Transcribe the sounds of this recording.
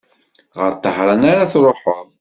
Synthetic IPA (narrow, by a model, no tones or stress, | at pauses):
ʁəɾt̪ˤːəħɾˤɑnaɾaθɾˤoħəðˤ